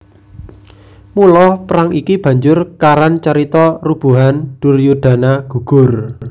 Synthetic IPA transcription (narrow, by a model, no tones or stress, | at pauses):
mulɔhpɾaŋikib̥ä̤ɲd͡ʒʊrkaɾant͡ʃaɾit̪ɔrub̥ṳɦanɖ̪̥ṳrjuɖ̥a̤naɡ̥ṳɡ̥ʊ̤r